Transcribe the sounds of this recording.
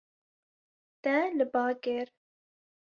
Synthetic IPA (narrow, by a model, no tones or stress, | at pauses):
t̪ɛlɨbɑːkɪɾ